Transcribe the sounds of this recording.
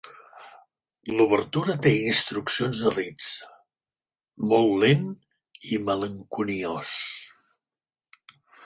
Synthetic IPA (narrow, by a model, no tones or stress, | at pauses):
luβəɾt̪uɾət̪einst̪ɾuksionzðərit͡s | mɔlˠlen | imələŋkunios